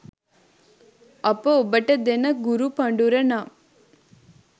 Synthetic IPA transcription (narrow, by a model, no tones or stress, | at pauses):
ɐpəobəʈəd̪enəɡuɾupɐɳɖuɾəna